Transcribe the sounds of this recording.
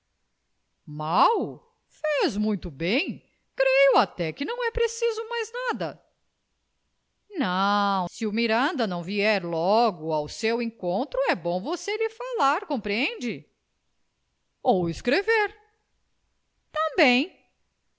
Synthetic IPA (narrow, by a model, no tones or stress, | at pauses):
maw | fezmũj̃t̪ʊbẽj̃ | kɾejʊat̪ɛkɪnɐ̃w̃ɛpɾesizʊmajznad̪ɐ | nɐ̃w̃sɪʊmiɾɐ̃nd̪ɐnɐ̃w̃viɛɾlɔɡʊawsewẽkõnt̪ɾʊɛbõw̃voselɪfalaɾkõmpɾiẽnd͡ʒɪ | owɪskɾeveɾ | t̪ɐ̃bẽj̃